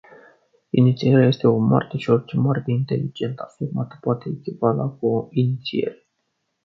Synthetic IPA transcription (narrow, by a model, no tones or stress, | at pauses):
init̪sieɾeaje̞st̪e̞o̞ma̰rt̪eʃio̞rt͡ʃemart̪eint̪e̞lid͡ʒe̞nt̪afirmat̪ə̥poat̪e̞ːkʲivala̰koinit̪sie̞̰ɾe